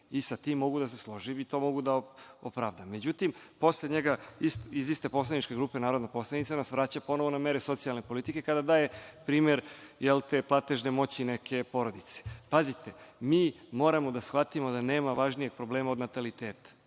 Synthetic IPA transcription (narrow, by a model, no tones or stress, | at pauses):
isat̪imːo̞ɡud̪as̬e̞slˠo̞ʒimit̪o̞ːmo̞ɡud̪aopɾaʋd̪amːed͡ʑut̪impo̞sleɲeɡaisizist̪e̞po̞slˠad̪nit͡ʃkeɡɾuːpenaːɾod̪napo̞slˠad̪it̪sanasʋɾat͡ɕapo̞no̞ʋonameɾeso̞t̪sijalˠne̞po̞lit̪ike̞kad̪ad̪aːje̞pɾiːme̞ɾjelt̪eːplˠat̪e̞ʒnemo̞t͡ɕinekʰe̞po̞ɾo̞d̪it̪se̥pazit̪ʰe̞miːmo̞ːɾamo̞d̪asxʋat̪imo̞d̪ane̞ːmaʋaʒnijeɡ̚pɾo̞bleːmaod̪nat̪alit̪eːt̪ḁ